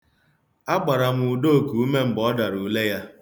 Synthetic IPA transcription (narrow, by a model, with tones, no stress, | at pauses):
a˦k͡pa˨ɾa˨m̩˦˨u˨do˦˨ku˨u˦me˦m̩˨bɔ˦da˨ɾu˨˦le˦ja˦